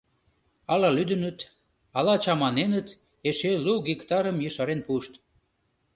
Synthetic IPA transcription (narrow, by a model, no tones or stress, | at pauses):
ɑlɑlyd̪ənət̪ | ɑlɑt͡ɕɑmɑnenət̪ | eʃeluɣikt̪ɑɾəmjəʃɑɾenpuʃt̪